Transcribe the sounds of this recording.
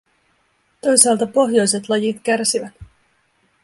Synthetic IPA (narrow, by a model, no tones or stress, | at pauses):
t̪o̞jsɑːlt̪ɑpo̞ɦjo̞jse̞t̪lɑjit̪k̟ærsiʋæt̪